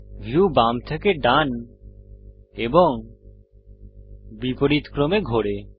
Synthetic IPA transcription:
bʱjubamt̪ʰekeɖan | eboŋ | bipoɾit̪kɾomeɡʱoɽe

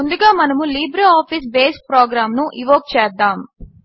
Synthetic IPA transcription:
und̪uɡaːmɐnɐmuliːbɾeaːpʰis̬beːsʈ̚pɾoːɡɾaːmnuʔiʋoːk̚t͡ʃɛːd̪ːaːm

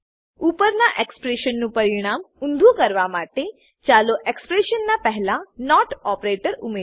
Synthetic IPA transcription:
upəɾnaʔekspɾeʃənːũpəɾiɽ̃amund̪ʱukəɾʋamaʈ̪e | t͡ɕaloʔekspɾeɕənːapɛɦlanɔʈɔpɾeʈəɾume

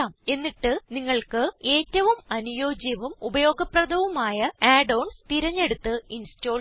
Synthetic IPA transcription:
aːme̞nːiʈːɨniŋːɐɭkɨe̞ːtːɐʋumɐnujo̞ːd͡ʑjɐʋumubɐjo̞ːɡɐprɐd̪ʱɐʋumaːjɐaːɖɐwɳnst̪iɾɐɲːe̞ɽut̪ːɨinsto̞ː

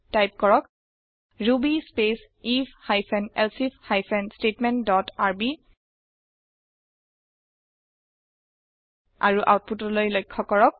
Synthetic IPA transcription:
tajp̚kɔɹɔk | ɹubispes | ifhajpʰɛnɛlsifhajpʰɛnstetmɛntdɔtaɹbi | a̰ɹuʔa̰wt̚putɔlojlojkʰːɔkɔɹɔk̚

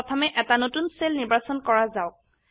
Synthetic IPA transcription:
ɔtʰamɛʔɛtanotunselniɹbasɔnkɔɹazaʊk̚

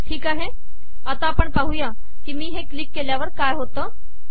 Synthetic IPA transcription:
ʈʰiːkaːɦe | ɐt̪aːpəɳpɐɦujã | kimĩɦeklikːelaːʋəɾkaːɦoːt̪ã

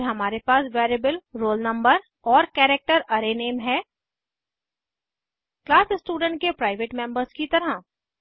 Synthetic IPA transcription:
ɦɐmaːɾepaːsʋeːɾebəlɾoːlnɐ̃mbəɾ | ɔːɾkɛːɾek̚ʈəɾɐɾeneːmɦɛː | klaːsɪsʈuːɖə̃ɳʈ̚kepɾaːɪʋeːʈmɛ̃mbəɾskit̪ɐɾə

